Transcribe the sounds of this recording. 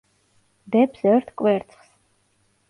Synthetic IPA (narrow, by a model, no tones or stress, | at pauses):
d̪ɛpʰsɛɾt̪ʰkʼwɛɾt̪sʰʼχs